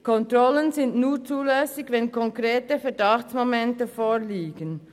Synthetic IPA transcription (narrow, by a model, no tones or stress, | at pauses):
kʰɔntɾɔlənzɪndnuːɾt͡suːlɛsɪçvɛnkʰɔŋkɾeːtəfɛɐdɑxt͡smomɛntəfoːliːɡən